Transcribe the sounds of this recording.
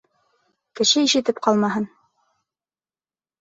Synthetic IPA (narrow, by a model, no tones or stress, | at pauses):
kɘ̆ʃɘiʃɘ̆t̪ɘp̚qɑlˠmɑɦɤn